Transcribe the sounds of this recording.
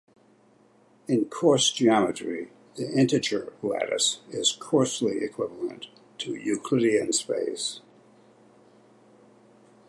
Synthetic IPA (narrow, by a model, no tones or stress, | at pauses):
ɨ̃nkʰɔɹsd̥ʒ̥iɑmɨɾɹ̥i | ðiʔɛ̃ntɨt͡ʃə̥˞læ̰ɾɨ̰sɪz̥kʰɔɹsliʔɨkʰw̥ɪvl̩ˠə̰̃ntʰ | ɨjʉkʰl̥ɪɾiɨ̃nspḛɪs